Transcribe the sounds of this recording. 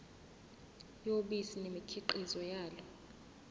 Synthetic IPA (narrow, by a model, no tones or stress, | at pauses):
joɓisinemikʰiǃizɔjaːlɔ